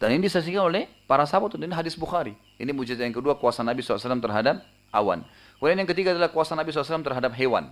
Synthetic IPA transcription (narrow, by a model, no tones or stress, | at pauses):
d̥aninidisas̬ikanolɛhpaɾasapɔt̪uniniɦadɪsbuxaɾi | inimud͡ʒit̪ajaŋkəduakuasanabisɔsalamt̪ərɦadap̚ | ʔa̰wa̰n | kuɾnjaŋkət̪iɡaːdalahkuasanabisɔlːs̬alamt̪ərɦadap̚ɦewa̰n